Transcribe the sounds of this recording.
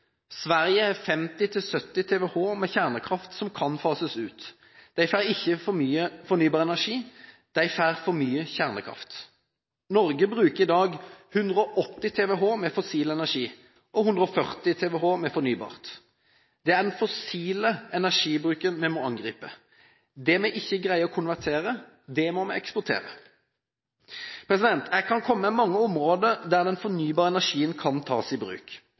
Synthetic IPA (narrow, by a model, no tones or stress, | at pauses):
sʋæʁjəæʁfɛmt̪ɪt̪ʰɪlsœt̪ːɪt̪ʰeːʋɛhoːmɛçæʁnəkʰʁɑft̪sɔmkʰɑnfɑːsəsʉːt̪ | d̪̥æɪfæːʁɪçːəfɔmyːəfɔʁnyːbɑːʁəɛnæʂiː | d̪̥æɪfæːʁfɔɾmyːəçæʁnəkʰʁɑ̰ft̪ | nɔʁɡəbʁʉːkəʁɪd̪ɑːɡhʉnd̪ʁəɔʔɔt̪ːɪt̪ʰeːʋɛːɦoːmɛfɔsiːləɛnæʂiː | ʔɔhʉnd̪ʁɾɔfœʁt̪ɪt̪ʰɛːʋɛɦoːmɛfɔnyːbɑ̰ːʁt̪ | d̪ɛæd̪ɛnfɔsiːləɛnæʁʂiːbʁʉːkənmɛmɔɑŋɡʁiːpə | d̪ɛmɛʔɪçːəɡʁæɪəɔkʰʊnʋæʁt̪ʰeːʁə | d̪ɛmɔmɛɛkspʊʁt̪ʰḛːʁə̰ | pʰʁɛs̬ɪd̪ɛnt̪ækʰɑnkʰɔmːəmɛmɑŋːəɔmʁoːd̪əd̪æʁd̪ɛnfɔʁnyːbɑːʁəɛnæʂiːənkʰɑnt̪ʰɑ̰ːsɪbʁʉ̰ːk